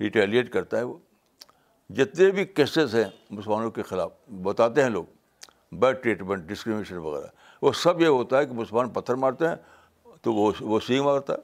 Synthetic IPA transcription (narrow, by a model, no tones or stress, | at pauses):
ɾiːʈɛːlieːʈkɐɾt̪aɦɛʋoː | d͡ʒɪt̪nebʱikeːsezɦɛ̃ | mʊsəlmaːnõkexɪla̰ːfbɐt̪aːt̪eɦɛ̃lo̰ːɡ | bɛːʈɾiːʈmẽɳʈ̚ɖɪskɾɪmɪneʃənʋɐ̰ɣɛ̰ːɾa̰ | ʋosɐbjeɦoːt̪aɦɛkimʊsəlmaːnpɐt̪ʰːəɾmaːɽt̪eɦɛ̃ | t̪oʋoʋosĩɡmaːɽt̪a̰ɛ